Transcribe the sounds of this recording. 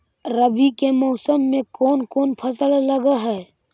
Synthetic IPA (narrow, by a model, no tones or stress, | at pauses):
ɾəbikemɔːsəmːẽkoːnkoːnpʰəsəlləɡaɦɛː